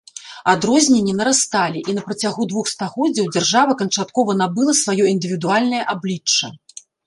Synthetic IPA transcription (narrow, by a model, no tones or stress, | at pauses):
ad̪ɾɔzʲnʲɛnʲːinɐɾast̪alʲiʔinɐpɾɐt͡sʲaɣud̪vuxst̪aɣɔdd͡zʲːɐwd͡zʲarʐavɐkɐnt͡ʂat̪kɔvɐn̪abɨlˠɐsvajɔind̪ɨvʲid̪ualʲnɐjɐʔablʲit͡ʂːɐ